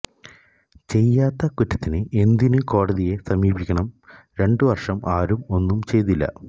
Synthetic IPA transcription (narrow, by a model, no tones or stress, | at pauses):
t͡ɕe̞jːaːt̪ːɐkutːɐt̪ːinɨe̞nd̪inɨko̞ːɽɐðije̞sɐmiːbʱikʲːɐɳɐm | ɾe̞ɳɖɨʋɐrʂɐmaːɾumo̞nːumt͡ɕe̞jt̪ilːɐ̰